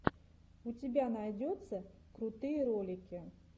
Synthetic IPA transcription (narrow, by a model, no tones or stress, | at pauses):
ut͡sʲɪbʲanajd͡zʲɔt̪sːɐkɾut̪ɨjɐɾɔlʲɪkʲɪ